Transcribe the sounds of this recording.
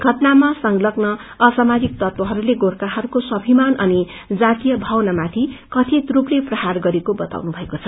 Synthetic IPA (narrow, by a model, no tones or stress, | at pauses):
ɡʱʌtnamasʌŋɡlʌknʌː | samad͡zik̚t̪ʌt̪wʌɦʌɾuleɡorkaɦʌɾukosʌbʱimanʌni | d͡zat̪ijʌbʱʌwnamat̪ʰikʌt̪ʰit̪rupleprʌɦarɡʌɾekobʌt̪a̰wnubʱʌekot͡sʰʌ